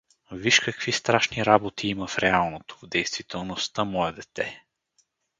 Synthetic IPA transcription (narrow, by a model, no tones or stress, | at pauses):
viʃkɐkvist̪ɾaʃniɾabot̪ʰiiməfɾɛalˠnot̪o̥vd̪ɛjst̪vit̪ɛlˠnost̪amɔjɛd̪ɛt̪ɛ